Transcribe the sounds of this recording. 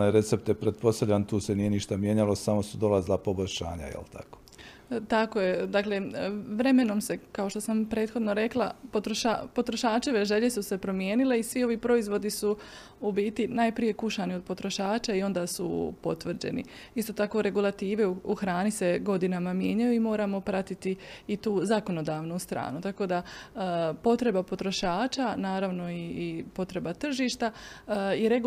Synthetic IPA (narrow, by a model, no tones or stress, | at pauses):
najɾe̞t̪se̞p̚t̪jepɾet̪̚po̞st̪avlʎant̪uːsenije̞niʃt̪amjeɲalˠo̞samo̞sud̪o̞lazilapo̞bo̞ʎʲʃa̰ːɲa̰jḛlt̪ʰa̰ko̥ | t̪ako̞je̞d̪aːkle̞ʋɾe̞me̞no̞mse̞kao̞ʃt̪o̞sampɾe̞ːt̪xo̞d̪no̞ɾe̞klˠa̰po̞t̪ɾo̞ʃapo̞t̪ɾo̞ʃaːt͡ʃe̞ʋeʒe̞ʎe̞suse̞pɾo̞mje̞ːnile̞isʋio̞ʋiːpɾo̞izʋo̞d̪isu | ubiːt̪inajpɾije̞kuʃanio̞d̪̚po̞t̪ɾo̞ʃaːt͡ʃaio̞nd̪aːsṵpo̞̰t̪ʋr̩d͡ʑḛnḭ | ist̪o̞ːt̪ako̞ɾe̞ɡulˠat̪iːʋeuuxɾaːnise̞ɡo̞d̪inamamje̞ːɲajuimo̞ːɾamo̞pɾat̪it̪iit̪uːzako̞no̞d̪aːʋnust̪ɾa̰ːnut̪ako̞d̪a | po̞t̪ɾe̞bapo̞t̪ɾo̞ʃaːt͡ʃanaːɾaʋno̞iːpo̞t̪ɾe̞bat̪r̩ʒiːʃt̪aiɾe